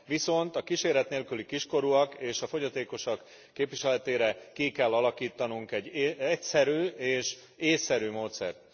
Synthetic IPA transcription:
ʋiso̞nt̪ɒkiʃeːɾɛt̪neːlkylikiʃko̞ɾuɒkeːʃɒfo̞ɟɒt̪eːko̞ʃɑkː | eːpʋiʃɛlɛt̪eːɾɛkikɛlːɒlɒkiːt̪ɒnuŋkɛɟːɛcsɛɾyːeːʃ | eːsːɛɾyːmoːt̪sɛ̰rt̪

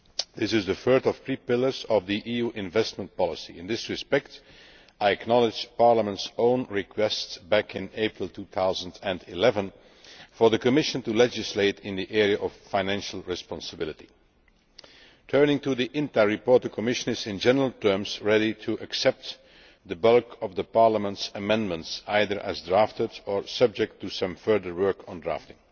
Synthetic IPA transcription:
ðɪsɨzðɨfɜ˞tɔv̥pʰɹipɪlˠə˞zʌvðiʔijuʔɪ̃ɱvɛst̚mə̃ntpɑlˠəsḭɪ̃nðɪsɹɨspɛkt | aɪɨknɑlˠɪd͡ʒpɑɹləmə̃ntsõʊ̃nɹɪkʰwɛstsbækɪ̃neɪpɹəl̩ˠtʰuθaʊzə̃n̩dɨ̃ndɪlɛvə̃n | fə˞ðəkɨmɪʃə̃ntulɛd͡ʒɨsleɪtɪ̃nðiʔɛɹiəʔɔffãɪ̃næ̃nʃl̩ˠɹɪspɑ̃nsəbɪlˠɨti | tʰɜ˞nɪ̃ŋtuðiʔɪ̃ntaɹipɔɹt̚ðəkʰəmɪʃə̃nɪzɪ̃nd͡ʒɛnəɹəl̩ˠtʰɜː˞mzɹɛɾitʰuʔəksɛp̚t̪ | ðəbʌlkʰʌvðəpɑɹləmə̃ntsəmɛ̃ndmə̃ntsaɪðə˞ʔɨ̰zdɹaftədə˞sʌb̚d͡ʒɛk̚tʰːusʌ̃mfɜ˞ðə˞wɜ˞kʰn̩dɹa̰ftɪ̃ŋ

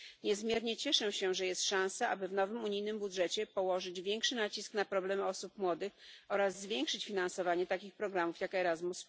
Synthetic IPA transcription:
ɲɛzmʲjɛɾɲɛt͡ɕɛʂɛɕɛʐɛjɛst̪ʂãw̃sɛʔabɘvnɔvɘmuɲijnɘmbud̪ʐɛt͡ɕɛpɔwɔʐɘd͡ʑvʲjɛŋkʂɘnat͡ɕiskn̪apɾɔblɛmɔsupmwɔd̪ɘxɔɾazːvʲjɛŋkʂɘt͡ɕfʲinansɔvaɲɛt̪akʲixpɾɔɡɾamufjakɛɾazmus

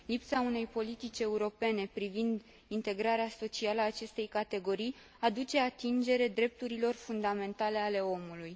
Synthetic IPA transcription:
lipsaune̞jpo̞lit̪it͡ʃʲe̞uɾo̞pe̞ne̞pɾivind̪ | int̪e̞ɡɾaɾeaso̞t͡ʃialəːt͡ʃe̞st̪e̞jkat̪e̞ɡo̞ɾij | ad̪ut͡ʃe̞at̪ind͡ʒe̞ɾe̞d̪ɾe̞p̚t̪uɾilo̞rfund̪ame̞nt̪ale̞ale̞o̞muluj

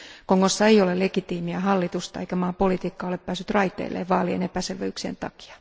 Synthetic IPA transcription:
koŋkosːɑejolelekit̪iːmiæhɑlːit̪ust̪ɑeikæmɑːpolit̪iːkːɑːoleppæːsyt̪rɑit̪ḛːlʔḛːʋʋɑːliḛnepæselʋeyksḛnt̪ɑ̰ki̥ɑ̥

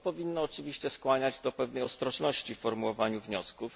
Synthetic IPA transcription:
pɔvʲinːɔːt͡ʂɘvʲiɕt͡ɕɛskwaɲad͡ʑd̪ɔpɛvnɛjɔst̪ɾɔʐnɔɕt͡ɕiffɔɾmuwɔvaɲuvɲɔskuf

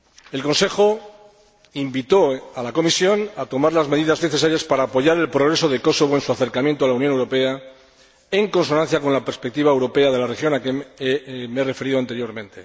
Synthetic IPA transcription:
e̞lko̞nse̞xo̞ | imbit̪o̞alako̞misjo̞nat̪o̞maɾlazme̞ðiðazne̞θe̞saɾjaspaɾaːpo̞ʝaɾe̞lpɾo̞ɣɾe̞so̞ðe̞ko̞so̞β̞o̞ensuaθe̞ɾkamjent̪oalauwnjonewɾo̞pe̞a | e̞ŋko̞nso̞nãn̟θjako̞nlapeɾspek̚t̪iβ̞aewɾo̞pe̞aðelare̞xjo̞nake | mere̞fe̞ɾiðoant̪eɾjo̞ɾmẽ̞nt̪e̞

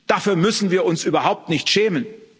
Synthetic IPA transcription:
d̥afyːɐmʏsn̩viːɐʊnsʔyːbɐɦaʊp̚tnɪçtʃɛːmən

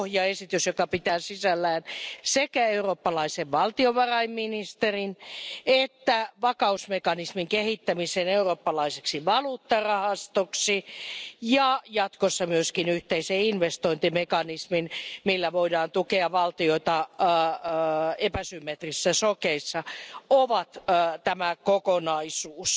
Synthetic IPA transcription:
hjɑesit̪ysjokɑpit̪æːsisælːæːnsekæeuroːpːɑlɑiseʋʋɑlt̪ioʋɑrɑimminist̪erinet̪ːæʋɑkɑusmekɑnismiŋkehit̪ːæmiseneuroːpːɑlɑiseksiʋɑluːt̪ːɑrɑhɑst̪oksijɑjɑt̪kosːɑmyøskinyht̪eiseinʋest̪oint̪imekɑnisminmilːæʋoidɑːnt̪ukeɑʋɑlt̪ioit̪ɑ | epæsymːet̪risːæsokeisːɑoʋɑt̪ːt̪æmækokonɑisuːs

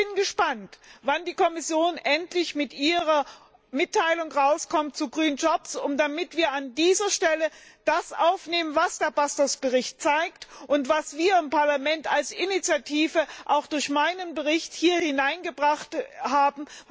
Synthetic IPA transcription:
ɪnɡəʃpantvandiːkʰɔmɪsjoːnʔɛntlɪçmɪtʔiːʁɐ | mɪtʰːaɪlʊŋʁaʊskʰɔmt̚t͡suɡʁyːnd͡ʒɔpsʊmd̥amɪtv̥iːɐandiːzɐʃtɛləd̥asʔaʊfneːmənvasd̥eːɐbastɐsb̥əʁɪçt̚t͡saɪk̚tʔʊntv̥asv̥iːɐɪmpaɐlamɛntalsʔɪnit͡sjatʰiːvəʔaʊxd̥ʊɐçmaɪnənbəʁɪçthiːɐhɪnaɪnɡəbʁaχthaːbm̩

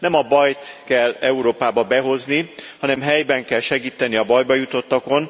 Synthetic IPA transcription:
nɛmɒbɒjt̪kɛlːɛuɾoːpaːbɒbɛɦo̞znihɒnɛmɦɛjbɛŋkɛlʃɛɡiːt̪ɛniɒbɒjbɒjut̪o̞t̪ːɒko̞n

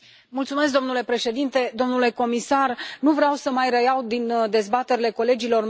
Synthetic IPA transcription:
mult̪sume̞sk̬̚d̪o̞mnule̞pɾe̞ʃe̞d̪int̪e̞d̪o̞mnule̞ko̞misarnuvɾeawsəmajrəjawd̪ind̪e̞zbat̪e̞ɾile̞ko̞le̞d͡ʒilo̞r

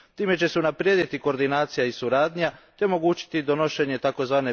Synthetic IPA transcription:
t̪iːme̞t͡ɕe̞se̞unapɾjed̪it̪iko̞ɾd̪inaːt̪sijaisuɾaːd̪ɲat̪eomo̞ɡuːt͡ʃi̥t̪id̪o̞no̞ʃe̞ɲe̞t̪ako̞zʋaːne

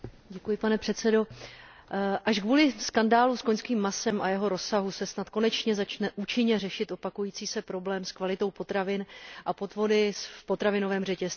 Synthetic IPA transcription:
ɟɛkujɪpanɛpr̝̥ɛt̪sɛdo̞ | ʔaʃɡvuːlɪskandaːluskoɲskiːmːasɛmʔajɛɦo̞ɾo̞sːaɦusɛsnat̪ko̞nɛt͡ʃɲɛzat͡ʃnɛʔut͡ʃɪɲɛrɛʃɪt̪ʔo̞pakujiːt͡siːsɛpɾo̞blɛːmskvalɪt̪o̞wpo̞t̪ɾavɪnʔapo̞t̪vo̞dɪspo̞t̪ɾavɪno̞vɛːmrɛcɛs

